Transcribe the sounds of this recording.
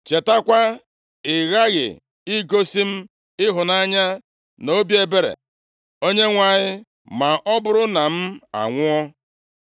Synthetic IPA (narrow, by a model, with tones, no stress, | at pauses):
t͡ʃe˨ta˦kʷa˦ | ɪ˨ɣa˦ɣɪ̰˨ | ɪ˦ɡo˦si˦m̩˦ | ɪ˦ɦʊ˨na˦ɲa˦ | no˦bi˦e˦be˦ɾḛ˨ | o˦ɲe˦ŋʷa˨ɲɪ˦ | ma˨ʔɔ˦bʊ˦ɾʊ˦na˨m̩˦a̰˨ŋʷʊ˦ɔ˦